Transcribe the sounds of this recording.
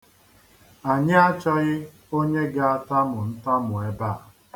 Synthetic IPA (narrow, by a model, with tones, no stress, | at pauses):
a˨ɲɪ˦a˦t͡ʃɔ˦ɣɪ˦ | o˦ɲe˦ɡa˦a˦ta˦mʊ˨n̩˦ta˦mʊ˨e˦baː˦˨